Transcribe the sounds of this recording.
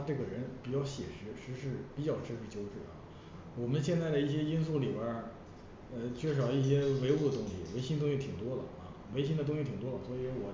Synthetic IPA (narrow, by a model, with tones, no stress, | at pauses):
a˥ʈ͡ʂɤ˥˩ɡə˩ɻə˧˥npi˨˩t͡ɕjɑ˥˩ʊɕjɛ̰˨˩ʂɻ̩˧˥ʂɻ̩˧˥ʂɻ̩˥˩pi˨˩t͡ɕjɑ˥˩ʊʂʰɻ̩˥ʂɻ̩˥˩t͡ɕjo˥ʊʈ͡ʂɻ̩˥˩ɐ̰˩ | wɔ˨˩mə˦nɕjɛ˥˧nt͡sa˥˩ɪd̪ə˩i˥˩ɕ̬jɛ˥i˥nsu˥˩li˨˩bə˥ | ə˧t͡ɕʰɥɛ˥˩ʂ̬ɑ˨˩ʊi˥˩ɕ̬jɛ˥we˧˥ɪu˥˩d̪ə˩t̪ʊ˥ŋɕi˨˩we˧˥ɪɕi˥ŋt̪ʊ˥ŋ˥ɕi˧˩t̪ʰi˨˩ŋt̪wɔ˥lə̰˨ɐ˧ | we˧˥ɪɕi˥ŋd̪ə˩ʊ˥ŋɕi˧˩˨ŋt̪wɔ˥lə˨swɔ˧˥i˧˥wɔ˨˩